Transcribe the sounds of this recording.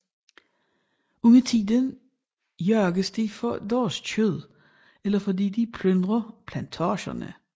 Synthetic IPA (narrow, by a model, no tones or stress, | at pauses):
uŋət͡sʰiːd̥ən | jœɐɡ̥əsd̥ifɒd̥ɒːst͡ɕʰøð̰ˠ | elɐfɒdḭːd̥ipʰlønd̥ʁɐpʰlænt͡sʰɑːɕɐ̰nə̰